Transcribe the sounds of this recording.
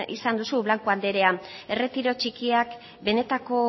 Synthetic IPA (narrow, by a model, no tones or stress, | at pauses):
ḭsand̪usuβlaŋkuald̪e̞ɾe̞ae̞re̞t̪iɾo̞t͡ʃikiak | be̞ne̞t̪ako̞